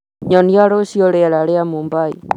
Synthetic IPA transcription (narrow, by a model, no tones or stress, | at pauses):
ɲɔniaɾoʃioɾeaɾaɾeamumbaḭ